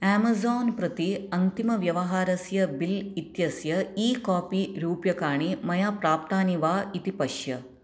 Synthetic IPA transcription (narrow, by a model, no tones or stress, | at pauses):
aːmɐzoːnpɾɐt̪iɐnt̪imɐʋjɐʋɐɦaːɾɐsjɐbilit̪jɐsjɐiːkaːpiɾuːpjɐkaːɳimɐjaːpɾaːp̚t̪aːniʋaːit̪ipɐʂjɐ